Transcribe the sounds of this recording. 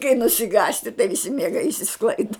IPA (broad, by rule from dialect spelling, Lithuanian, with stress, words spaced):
kɐɪ nʊsʲɪˈɡɑːsʲtʲɪ tɐɪ ʋʲɪˈsʲɪ mʲiɛˈɡɐɪ ɪʃʲsʲɪˈsklˠɐɪdɐ